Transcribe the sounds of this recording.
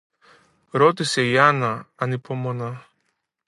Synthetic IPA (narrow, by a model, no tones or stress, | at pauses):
ɾo̞t̪ise̞iɐnɐɐnipo̞mo̞nɐ